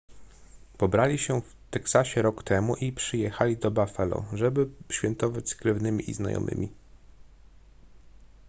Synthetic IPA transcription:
pɔbɾalʲiɕɛf | t̪ɛksaɕɛɾɔkt̪ɛmuʔipʂɘjɛxalʲid̪ɔbafɛlɔ̰ʐɛbɘɕfʲɛnt̪ɔvat͡ɕskɾɘvnɘmʲiʔizna̰jɔ̰mʔɘ̰mʲi

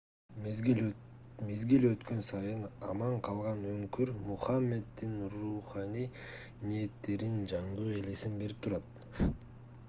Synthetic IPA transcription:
mezɡilø̞t̪kø̞nsɑjɯnɑ̰mɑɴqʰɑlˠʁɑnøŋkyɾmuχɑmːe̞d̪ːinruχɑnij | nie̞t̪ːe̞ɾind͡ʒɑɴd̪uːe̞le̞sinbe̞ɾip̚t̪ʰuɾɑt̪̚

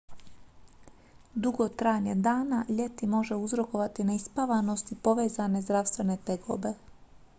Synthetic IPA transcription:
d̪uɡo̞t̪ɾaɲed̪aːnaʎe̞t̪imo̞ʒe̞uzɾo̞ko̞ʋat̪inaispaʋano̞st̪ipo̞ʋe̞ːzane̞zd̪ɾaʋst̪ʋe̞ne̞t̪eɡo̰be̞

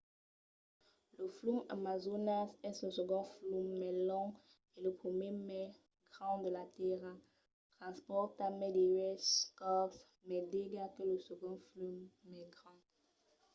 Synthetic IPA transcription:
ləfluma̰mazonasɛsɔ̃səɡɔ̃flumːɛlɔ̃ | eləpχəmjemɛ | ɡʁɑ̃d̪əlat̪eʁa | t̪χɑ̃spɔʁt̪amɛd̪ewɛskɔks | mɛd̪eɡakələsəɡɔ̃flymːɛɡʁɑ̃

